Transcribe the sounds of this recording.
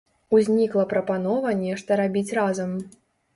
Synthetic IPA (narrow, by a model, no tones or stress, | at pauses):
uzʲnʲiklˠɐpɾɐpanɔvɐnʲɛʂt̪ɐɾabʲit͡sʲrazɐm